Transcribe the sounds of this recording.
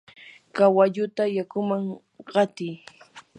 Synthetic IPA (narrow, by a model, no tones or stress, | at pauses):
kawaʎʊt̪ajakʊmaŋ | ɢɑt̪ɪj